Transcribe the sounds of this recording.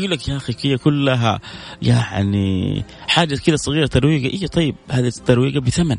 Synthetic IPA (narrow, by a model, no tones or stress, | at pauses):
ɡuːlːakjaʔaxikijːakʊlːaɦa̰jaʕnḭħaːd͡ʒakɪd̪æsˤɨɣiːɾɑt̪ɑɾˤwiːɡaʔijːæt̪ˤɑjːɪb̚haːd̪it̪ːɑɾˤwiːɡabɪθaman